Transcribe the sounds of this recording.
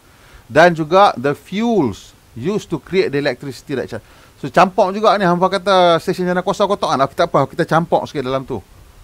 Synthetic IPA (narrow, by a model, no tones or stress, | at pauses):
dand͡ʒuɡaʔdəfjuls | justukɾiet̚dəelɛk̚t̪ɾisi̥t̪ida̰ʔ̚t͡ʃa | sot͡ʃampɔʔd͡ʒuɡaʔniɦamfakat̪asesənd͡ʒanakuasɔkɔt̪ɔŋanaki̥t̪aʔapəakit̪at͡ʃampɔ̰ʔskiʔdalamt̪ṵ